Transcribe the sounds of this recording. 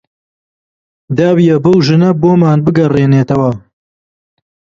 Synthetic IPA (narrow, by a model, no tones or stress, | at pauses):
d̪aːwijɐbɐwʒɨnɐboːmaːnbɨɡɐreːneːt̪ɐwɐ